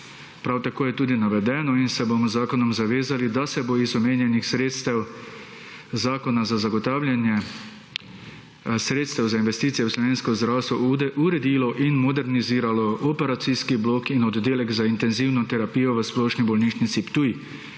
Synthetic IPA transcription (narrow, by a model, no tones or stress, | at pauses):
pɾawt̪akoːjɛt̪uːd̪inaʋɛd̪ɛːnɔinsɛbomɔzaːkɔnɔmzaʋeːzalid̪asɛboizɔmeːnjɛnixsɾest̪ɛw | zaːkɔnazazaɡɔt̪aːwlʲjanjɛ | sɾeːt̪st̪ɛwzainʋɛst̪iːt̪ijɛwslɔʋeːnskɔzd̪ɾaːwst̪ʋɔʔud̪ɛʔuɾɛd̪ilɔʔinmɔd̪ɛɾniziːɾalɔɔpɛɾat̪siskibloːkinɔd̪d̪eːlɛɡzaint̪ɛnziwnɔt̪ɛɾapijɔʋəsplɔːʃnibɔlniːʃnit̪sipt̪uj